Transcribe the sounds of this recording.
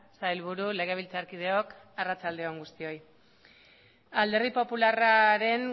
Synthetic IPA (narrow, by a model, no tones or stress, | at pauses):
sajlβuɾule̞ɣ̞eβilt͡saɾkið̞e̞ok | arat͡sald̪e̞oŋɡust̪io̞j | ald̪e̞ɾðipo̞pularaɾe̞n